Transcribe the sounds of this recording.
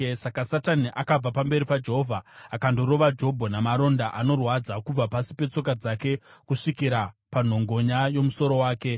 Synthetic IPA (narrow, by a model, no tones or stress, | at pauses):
sakasataniʔakab͡vapambe̞ɾipad͡ʒe̞ɦovʱaːkando̞ɾo̞ʋad͡ʒo̞bʱonamaɾo̞ndaʔano̞rwad͡zakub͡vapasi̥pe̞t͡so̞kad͡zake̞kuʂikiɾapan̤o̞ŋɡo̞ɲajo̞muso̞ɾo̞waːke̞